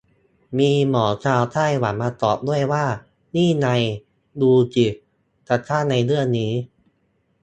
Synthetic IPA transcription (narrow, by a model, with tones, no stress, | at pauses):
miː˧mɔː˩˦t͡ɕʰaː˧wt̪ʰaː˥˩jwa˩˦nmaː˧t̪ɔː˨˩p̚du˥˩əjwaː˥˩ | niː˥˩na˧j | duː˧t͡ɕi˨˩ | t̪ʰa˨˩t̪ʰaː˥˩na˧jlɯ˥˩əniː˦˥